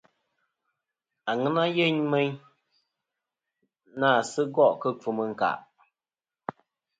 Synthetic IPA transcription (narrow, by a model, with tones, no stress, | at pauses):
a˨ŋɨ˦na˦je˦ɲme˦ɲ | naː˦˨sɨ˦ɡɔ˦˨ʔkə˦p͡fu˨mə˨ŋ̩˨ka̰˨ʔ